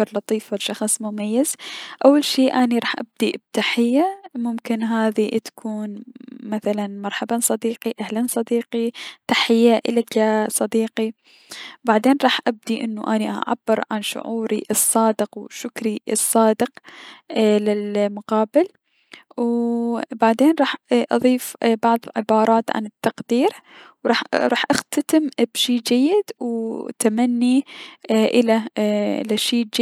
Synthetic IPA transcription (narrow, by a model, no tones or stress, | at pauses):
ɑɾˤlɑt̪ˤiːfalʃɑxsˤmʊmajːaz̥ʔawːalʃiːʔaːniɾˤɑːħʔab̚d̪ib̚t̪aħɪjːamʊmkɪnɦaːðit̪ḁkʰuːnmaθalanmɑɾˤħabansˤɑd̪iːqiʔahlansˤɑd̪iːqit̪aħɪjːaʔɪlakasˤɑd̪iːqi | baʕd̪eːnɾˤɑːħʔab̚d̪iʔɪnːuʔaniʔa̰ʕa̰bːɪɾʕa̰nʃʊ̰ʕuːɾiʔɨsˤːɑːd̪ɪqwʃʊkɾiɨsˤːɑːd̪ɪq | lɪlmʊqɑːbɪl | wbaʕd̪eːnɾˤɑːħʔɑ̰ðˤiːfbɑʕðˤlʕɪbɑːɾˤɑːt̪ʕa̰nɪt̪ːɑqd̪iːɾwɾˤɑːħɾˤɑːħʔaxt̪at̪ɪmbʃiːd͡ʒajːɪd̪wt̪amanːi | ʔɪlalaʃiːd͡ʒ